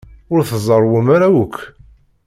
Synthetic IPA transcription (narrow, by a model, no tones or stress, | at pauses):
ʊɾθəzˤəɾˤwumaɾæwʊkː